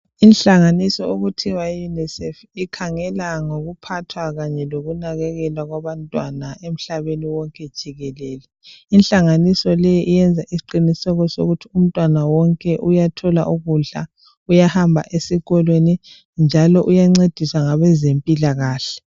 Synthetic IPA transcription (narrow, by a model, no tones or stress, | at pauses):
inɬaŋanisɔoɣutʰiwaijunɛsɛf | ikʰaŋɛlaŋoɣupʰatʰwaɣaɲɛloɣunaɣɛɣɛlwaɣwaβantʼwanaem̩ɬaβeniwɔŋkʼɛd̥ʒ̥ʱiɣɛlɛːlɛ | inɬaŋanisɔlɛjiʔijɛnd͡zʱaʔisi̥ǃinisɛɣɔso̰ɣutʰium̩tʼwanawɔŋkʼɛʔujatʰɔla̰ʔuɣuɮa̰ | ujahambʱa̰ʔesiɣɔlweni | nd͡ʒʱalɔʔujaŋ͡ǀed̥ʱiswaŋaβɛzempʼilaɣaːɬɛ̥